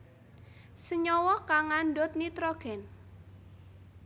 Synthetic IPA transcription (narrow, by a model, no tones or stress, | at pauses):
səɲɔwɔkaŋanɖɔt̪̚nit̪ɾɔɡ̥ɛn